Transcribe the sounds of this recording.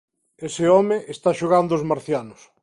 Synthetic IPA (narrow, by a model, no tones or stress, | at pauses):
esɪɔmeʔest̪aʃoɣand̪oːzmaɾθjanʊs